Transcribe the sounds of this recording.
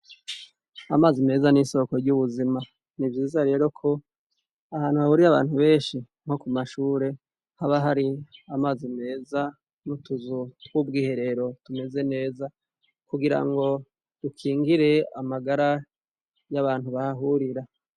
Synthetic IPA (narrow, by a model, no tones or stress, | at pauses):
amaːzime̞ːzaniːso̞koɾɟuβuzima | nivɟiːzaɾe̞ːɾo̞kʰo̞ | ahaːnhuhahuːɾiaβa̰ːnhuβe̞ːnʃi | ŋ̥ho̞kumaʃuːɾe̞ | haβaɦaɾiamaːzime̞ːza | nutuzutwub̚ɡiːhe̞ɾe̞ɾo̞tume̞ze̞ne̞ːza | kuɡiɾa̰ŋɡo̞ | d̥ukʰiːŋɡiɾe̞amaɡaɾa | jaβaːn̥huβahaɦuɾiɾa